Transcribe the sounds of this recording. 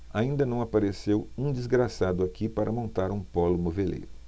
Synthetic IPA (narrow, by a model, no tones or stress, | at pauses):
aĩnd̪ɐnɐ̃w̃apaɾesewũd͡ʒizɡɾasad̪ʊakipaɾɐmõnt̪aɾũpɔlʊmovelḛjɾʊ